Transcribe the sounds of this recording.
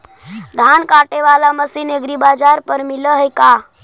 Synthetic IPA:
d̪ʱankaʈeʋalaməsineɡɾibad͡ʒaɾpəɾmiləɦəjka

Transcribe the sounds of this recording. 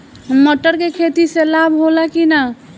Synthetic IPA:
məʈːəɾkekʰet̪iselabɦolakina

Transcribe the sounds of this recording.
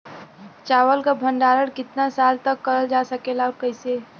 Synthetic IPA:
t͡ʃaːwəlkabʱə̃ɳɖaːɾəɽkɪt̪nasaːlt̪əkːəɾəld͡ʒaːsəkelaɾkəɪse

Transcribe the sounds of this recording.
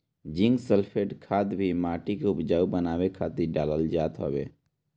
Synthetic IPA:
d͡ʒɪ̃ŋɡsəlpʰeːɖkʰaːd̪bʱimaːʈikeʊpd͡ʒaːubənaːwekʰaːt̪iɖaːləld͡ʒaːt̪ɦo̰bḛː

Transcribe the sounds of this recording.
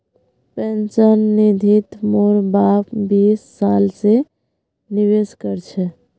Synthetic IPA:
pɛnt͡ʃənːid̪ʱit̪moɾbapbiːsːalse | niweskəɾt͡ʃʰɛ

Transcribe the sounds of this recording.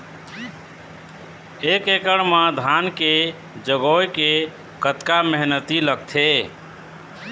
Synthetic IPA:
ekekəɽmad̪ʱanke | d͡ʒəɡojke | kət̪kameɦnət̪iləɡ̚t̪ʰe

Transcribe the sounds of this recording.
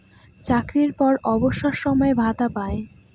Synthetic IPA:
t͡ɕakɾiɾpɔɾɔboʃːaʃʃɔmɔebʱad̪apae

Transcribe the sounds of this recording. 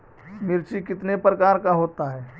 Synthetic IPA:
mɪɾt͡ʃikɪt̪nepɾəkaːɾkaɦoːt̪aɦɛː

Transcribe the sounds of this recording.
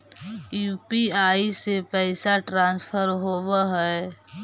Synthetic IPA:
juːpiaːisepɛɪsaʈɾãːnspʰəɾɦoːbaɦɛ

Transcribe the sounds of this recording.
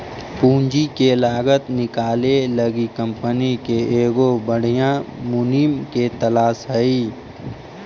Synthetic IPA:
pũːɲd͡ʒikelaːɡət̪nɪkaːleləɡikə̃mpənikeeːɡobəɽ̤ijãmʊnimket̪ɐlaːsɦəiː

